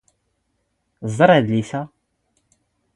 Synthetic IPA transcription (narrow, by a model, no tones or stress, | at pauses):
zˤəɾˤæðliθæ